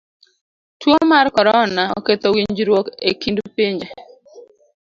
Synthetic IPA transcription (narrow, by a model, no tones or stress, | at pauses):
twomarkɔɾɔnaɔ̰ket̪owiɲd͡ʒɾwokḛkindpiɲd͡ʒe